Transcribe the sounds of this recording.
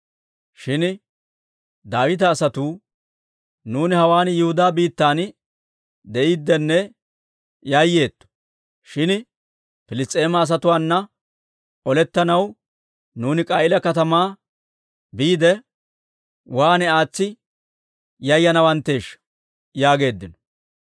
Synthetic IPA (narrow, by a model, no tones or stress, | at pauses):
ʃɪn | d̪aːwɪt̪̬ɐːsɐt̪uː | nuːnɪhɐwaːnjʊhʊd̪aːbiːt̪ːaːn | d̪ɛʔiːd̪ːɛnːɛ | jɐjːe̞ːt̪ːɔ̥ | ʃɪn | fɪlɪst̪ʼe̞ːmɐːs̬ɐt̪ʊwaːnːɐ | ɔlɛt̪ːɐnɐw | nuːnɪkʼaːɪlɐkɐt̪ɐmaː | biːd̪ɛ | waːnɛaːt͡sːɪ | jɐjːɐnɐwɐnt̪ːe̞ːʃːɐ̥ | jaːɡe̞ːd̪ːɪnɔ̥